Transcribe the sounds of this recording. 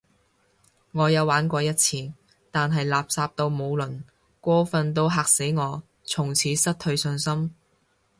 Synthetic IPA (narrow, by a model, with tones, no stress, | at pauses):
ŋɔː˨˧jɐ˨˧waː˨˥nkʷɔː˧jɐ˥t̚t͡sʰiː˨˩n | t̪aː˨nɦɐ˨jlaː˨p̚saː˧p̚t̪o˧wmo˨˧wlɵ˨˩n | kʷɔː˥fɐ˧nt̪̬o˥˧wɦaː˨k̚se˨˥jŋɔː˨˧ | t͡sʰʊ˨˩ŋt͡sʰiː˨˥sɐ˥t̚tʰɵ˧ɥsɵ˧nsɐ˥m